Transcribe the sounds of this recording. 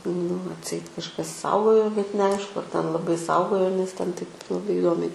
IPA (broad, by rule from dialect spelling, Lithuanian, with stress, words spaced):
nʊ ɐtʲˈsʲɛɪt kɐʃˈkɐs ˈsɐʊɡoːjoː bʲɛt nʲɛˈɐɪʃkʊ ɐr tʲɛn lˠɐˈbɐɪ ˈsɐʊɡoːjoː ˈnʲɛs ˈtʲɛn ˈtɐɪp lˠɐˈbɐɪ ɪˈdoːmʲɛɪ